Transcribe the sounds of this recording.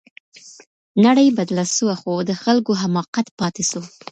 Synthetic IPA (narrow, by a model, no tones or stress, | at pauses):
naɽəjbad̪lasuwaxod̪əxalkoɦamɑqat̪pɑt̪esu